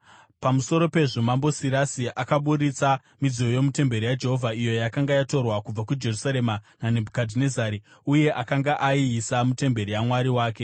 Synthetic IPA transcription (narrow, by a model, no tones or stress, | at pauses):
pamuso̞ɾo̞pe̞ʐomambo̞siɾasiʔakaɓuɾit͡sa | mid͡zio̞jo̞mute̞mbe̞ɾijad͡ʒe̞ɦo̞vʱaijo̞jakaŋɡajato̞rwakub͡vakud͡ʒe̞rusaɾe̞mananebʱukadʱine̞zaɾi | uje̞ʔakaŋɡaʔaiːsamute̞mbe̞ɾijamwaɾiwaːke